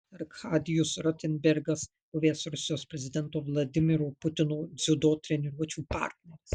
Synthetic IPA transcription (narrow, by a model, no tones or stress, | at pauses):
ɐɾkxaːd̪ʲɪjʊsɾɔt̪ʲɛnʲbʲɛɾɡɐs | poːʋʲeːsɾʊsʲɪjoːspʲɾʲɛzʲɪd̪ʲɛnˑt̪oːʋlˠɐd̪ʲɪmʲɪɾupʊt̪ʲɪnoːd̪zʲʊd̪oːt̪ʲɾʲɛnʲɛɾuɔt͡ʃʲuːpɑ̰ˑɾʲt̪ʲnʲɛɾʲɪs